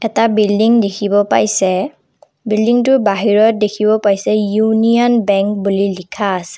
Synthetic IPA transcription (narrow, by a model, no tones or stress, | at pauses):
ɛtabildiŋdekʰibɔpajsɛ | bildiŋtʊbaɦiɹɔt̚dekʰibɔpajsɛjuniɔnbɛŋk̚bulilikʰaːsɛ̥